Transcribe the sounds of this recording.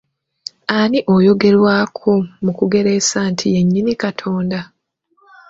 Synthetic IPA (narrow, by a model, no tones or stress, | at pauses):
aniʔojo̞ɡe̞ɾwaːkʰomukuɡe̞ɾeːsaːntʰije̞ɲːinikatʰo̞ːnda